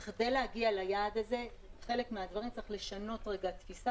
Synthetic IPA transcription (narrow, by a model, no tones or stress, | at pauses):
χde̞jleaɡialajaːd̪aze̞χe̞le̞kmead̪vaʁimt͡sʁeχle̞ʃano̞tʁe̞ɡat̪fisa